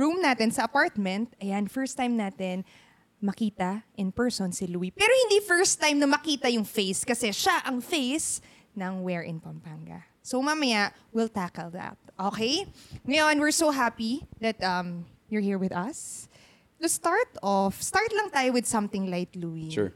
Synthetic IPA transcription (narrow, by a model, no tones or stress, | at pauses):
ɹumnaːt̪ɛnsɐʔɐpaɹt̪̚mɛ̃nt̪̚ɐjanfɛɹst̪ãjmnaːt̪ɛn | mɐkiːt̪ɐʔɪnpɛɹsonsɪluipɛːɾohɪ̃nd̪ifɛɹst̪ːãjmnɐmɐkiːt̪ɐjʊŋfejskɐsɛʃaʔɐŋfejs | nɐŋwɛɹʔɪ̰̃npɐmpaŋɡɐ̰ | somamɐjaʔ | wɪlt̪akɛlðɐ̰t̪̚ʔokejŋɐjonwɪɹsoɦapiðɐt̪̚ʔɐm | jʊɹhiɹwɪðɐs | t̪ʊst̪aɹt̪ɔfst̪aɹt̪lɐŋt̪aːjowɪd̪sɐ̃mt̪ɪŋlajkluiʃṵɹ